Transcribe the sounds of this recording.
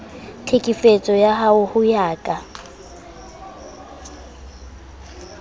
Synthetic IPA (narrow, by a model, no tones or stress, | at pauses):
t͡ɬʰekʼifet͡sʼɔjaɦaʊhʊjaːkʼa